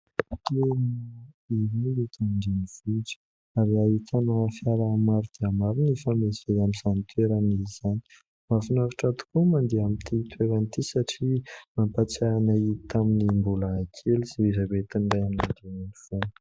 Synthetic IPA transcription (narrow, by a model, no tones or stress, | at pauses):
t̪en | iiit̪aɳɖ͡ʐeniv̥uʈ͡ʂə̥ | aɾiait̪ʰanafjaɾaːmaɾud̪̥iamaɾinefameziejamizanit̪ʰweɾanizz̥ani̥ | mafinavaʈ͡ʂat̪u̥kumand̪iamint̪ʰit̪ʰweɾanit̪isaʈ͡ʂimampat͡saanait̪aminimbulaːkʰeliz̥eizabet̪inɖ͡ʐajaminand̪eninifun